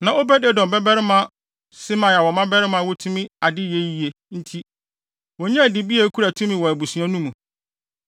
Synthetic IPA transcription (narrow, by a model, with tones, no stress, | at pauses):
nã˨o˦bɛ˦de˦˨dɔ̃˨mbɛ˦bɛ˦ɾɪ˦mã˨˦ | sɪ˦mã˨a˨wɔ˨mã˦bɛ˦ɾɪ˦mã˨˦wɔ˦tʰũ˦mĩ˦a˨dɪ˦je˦ji˨e˨ | n̩˦tʰi˦ | wɔ˨ɲɛ̃˦˨dɪ˨bi˦e˨˦kʰu˦ɾa˨tʰũ˦mĩ˨wɔ˨æ˨bu˨su˨ã˦nũ˦mũ˨